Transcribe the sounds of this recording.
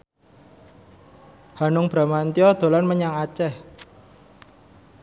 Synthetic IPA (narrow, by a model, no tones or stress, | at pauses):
ha̤nʊŋb̥ɾa̤mant̪iɔd̪̥o̤lanməɲaŋat͡ʃɛh